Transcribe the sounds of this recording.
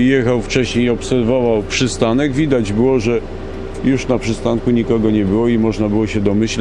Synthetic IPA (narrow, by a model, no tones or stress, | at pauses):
jɛxawft͡ʂɛɕɲejɔpsɛɾvɔvawpʂɘst̪anɛɡvʲid̪ad͡ʑbɘwɔʐɛ | juʂnapʂɘst̪aŋkuɲikɔɡɔɲɛbɘwɔimɔʐnabɘwɔɕɛd̪ɔmɘɕl